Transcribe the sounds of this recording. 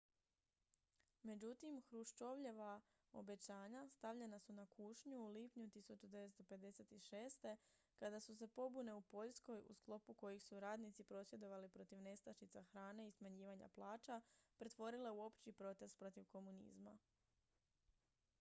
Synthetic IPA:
me̞d͡ʑut̪imxɾuʃt͡ʃo̞ʋʎe̞ʋa | o̞̰be̞t͡ɕaːɲast̪aʋʎe̞nasunakʰuːʃɲuːliːpɲut̪isut͡ʃud̪e̞ʋest̪o̞pe̞d̪e̞se̞t̪iʃe̞ːst̪e̞ | kad̪asuse̞po̞bune̞upo̞ʎsko̞jṵsklˠo̞puko̞jixsuɾaːd̪nit̪sipɾo̞sje̞d̪o̞ʋalipɾo̞t̪iʋne̞st̪aʃit̪saxɾaːne̞ismaɲiːʋaɲa̰plˠaːt͡ʃapɾe̞t̪ʋo̞ɾile̞uo̞pt͡ɕipɾo̞t̪e̞st̪̚pɾo̞t̪iʋko̞munḭːzma

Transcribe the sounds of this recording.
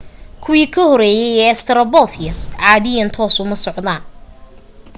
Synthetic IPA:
kʰʊwiːkʰɐhɔɾɛːjɛjɛst̪ʰɐɾɐbɔːθʰɪjɐsʕɑːðɪjɐnt̪ʰɔːsʊmɐsɔʕd̪aːn

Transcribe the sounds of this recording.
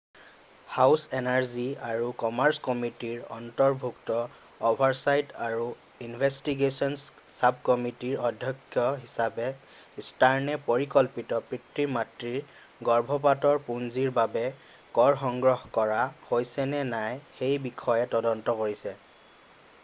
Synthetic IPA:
hawsɛnaɹziaɹukɔmaɹskɔmitiɹɔ̰ntɔɹbʱuktɔ | ɔbʱaɹsajtaɹu | inbʱɛstiɡesɔns | sab̚kɔmitiɹɔdʱjɔkʰːjɔɦisapɛ | istaɹnɛpɔɹikɔlpitɔpɹitɹiɹmatɹiɹ | ɡɔɹbʱɔp̬atɔɹpunziɹbabɛ | kɔɹxɔŋɡɹɔhkɔɹahojsɛnɛnajxejbikʰɔjɛtɔdɔntɔkoɹisɛ

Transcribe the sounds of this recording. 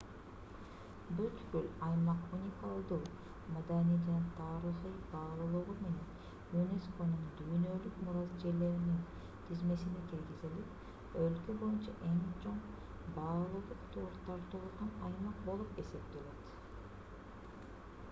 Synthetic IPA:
byt̪kylɑjmɑqunʲikalˠd̪ɯ | mad̪anijd͡ʒɑnɑt̪ʰɑːɾɯχɯjbɑːlˠɯlˠuʁume̞ne̞n | mynesko̞nuɴd̪yːnø̞lykmuɾɑzd͡ʒe̞ɾle̞ɾinin | t̪ʰizme̞sinekilɡizilip | ølkøbo̞junt͡ʃɑʔe̞ŋt͡ʃʰo̞ɴ | bɑːlˠulˠuqt̪ʰoɾt̪ːɑɾt̪ʰolˠuʁɑnɑjmɑq̚bo̞lˠupe̞se̞pt̪ele̞t̪

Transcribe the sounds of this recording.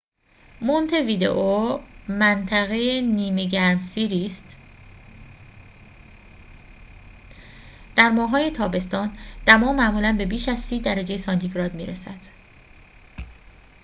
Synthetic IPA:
mont̪ʰe̞viːd̪ḛʔomænt̪ʰæɣe̞jeniːme̞ɟæɾmsiːɾiːst̪ | d̪̥æɾmɒːɦɒːje̞t̪ʰɒːbe̞st̪ɒːnd̪̥æmɒːmæʔmuːlænbe̞biːʃæzsiːd̪æɾæd͡ʒe̞jesɒːnt̪ʰiɡɾɒːd̪mḭːɾesæd̪̥

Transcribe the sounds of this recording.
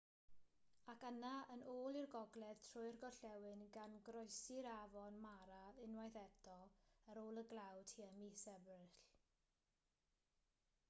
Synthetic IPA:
akənaənoːlˠirɡɔɡlɛð̥tʰrʊɨrɡɔɬɛwɨnɡanɡrɔjsɪɾavɔnmaɾaɪnwajðɛdɔəɾoːlˠəɡlˠawd̥hiːəmisɛbrɪɬ

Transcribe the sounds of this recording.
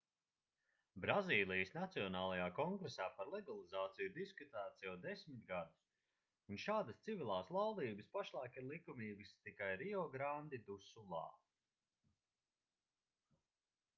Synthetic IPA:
bɾaziːlˠijəsnat̪siɔnaːlˠajaːkɔŋɡɾesaːpaɾlˠɛɡalˠizaːt̪sijiɾd̪iskut̪æːt̪sjawd̪esmit̪̚ɡad̪us | unʃaːd̪əst̪sivilˠaːslˠawd̪iːbɨspaʃlˠaːkiɾlˠikumiːbɨst̪ikajɾiɔɡɾand̪id̪usulˠɑ̰ː

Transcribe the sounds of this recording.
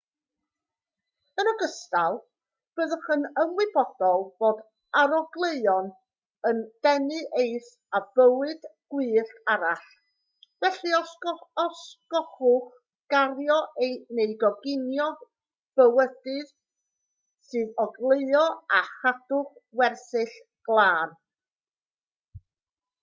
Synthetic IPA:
ənɔɡəstalˠ | b̥əðəχənəmwɨbɔd̥ɔlˠb̥oːd | aɾɔɡlˠeɨɔn | ənd̥ɛnɨʔejθ | av̥əwɨd̥ɡ̥wiːɬaɾaɬ | vɛɬiɔɔskɔχʊχ | ɡ̥arjɔejneɨdɔɡɪnjɔ | v̥əwədɨð | sɨːðɔɡlˠeɨɔaχadʊχwɛrθɨɬ | ɡ̥lˠaːn

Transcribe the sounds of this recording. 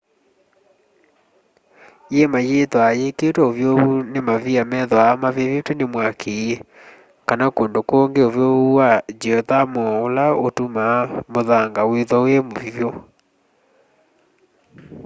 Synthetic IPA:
jemajetwajeketwɛovjoβunemaviamɛðwamavevetwɛnemwakʰee | kanakoːndokoːŋɡeovjoβuwad͡ʒɔðamɔolaotumamoðaŋɡaweðɔojemovivjo

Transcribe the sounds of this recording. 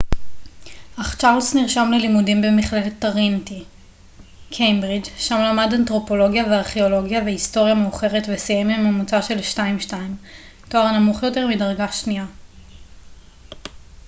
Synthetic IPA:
ʔaχt͡ʃaʁlsniʁʃamle̞limudimbemiχle̞let̪ːaʁinti | kʰejmbʁid͡ʒʃamlamadantʁo̞po̞lo̞ɡjaveaʁχeo̞lo̞ɡjavehisto̞ʁjameuχe̞ʁetvesijemimamut͡saʃe̞lʃtaimʃtaim | toaʁnamuχjo̞te̞ʁmidaʁɡaʃnia

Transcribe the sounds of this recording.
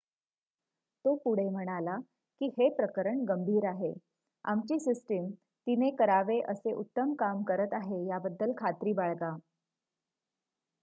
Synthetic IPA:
t̪opuɽ̤em̤əɽ̃ala | kiːhepɾəkəɾəɳɡəmbʱiːɾaɦe | a̰mt͡ɕiːsisʈim | t̪inekəɾaʋeʔəseʔut̪ːəmkamkəɾət̪aɦejabəd̪ːəlkʰat̪ɾiːbaɭɡa

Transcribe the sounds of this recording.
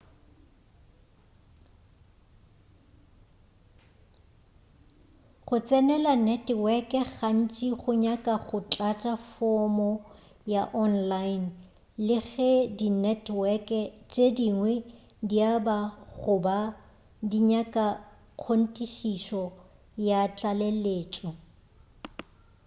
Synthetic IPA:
χʊt͡sʼɛnɛlanɛtwɛkʼɛɣan̩t͡ʃʼiχʊɲakʼaχʊt͡ɬʼat͡ʃʼafɔmɔ | jaʔɔnlaɪn | lɪɣɛdinɛtʰwɛkʼɛt͡ʃʼediŋwɛdiabaɣʊba | diɲakʼa | q͡χʰon̩tʼiʃiʃɔ | jat͡ɬʼaleleːt͡ʃʼɔ

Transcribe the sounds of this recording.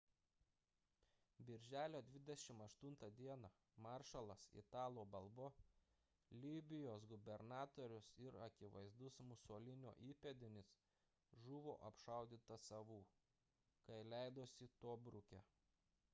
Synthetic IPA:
bʲɪɾʲʒʲæːlʲoːd̪ʲʋʲɪd̪ʲɛʃʲɪmɐʃt̪ʊnt̪ɐd̪ʲiɛnɐ | mɑːɾʃɐlˠɐsɪ̰t̪ɑːlˠoːbɐlˠbo | lʲiːbʲɪjoːs̬ɡʊbʲɛɾnɑːt̪oːɾʲʊsɪɾɐkʲɪʋɐ̰ɪzd̪ʊsmʊsoːlʲɪnʲo̰ːʔiːpʲɛd̪ʲɪnʲɪs | ʒʊʋo̰ːʔɐpʃɐˑʊd̪ʲiːt̪ɐsɐʋuː | kɐɪlʲæɪd̪oːsʲɪt̪oːbɾʊkʲɛ̰

